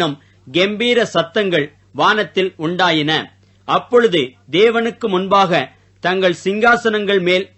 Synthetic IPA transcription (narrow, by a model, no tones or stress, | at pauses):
nɯm | ɡɛmbiːɾɐsɐt̪ːɐŋɡɐɭ | ʋaːnɐt̪ːɪlʊɳɖaːjɪnɐ | ʔɐpːɔɻɯðɯ | d̪eːʋɐnɯkːɯmʊnbaːɣɐ | t̪ɐŋɡɐɭsɪŋɡaːsɐnɐŋɡɐɭmeːl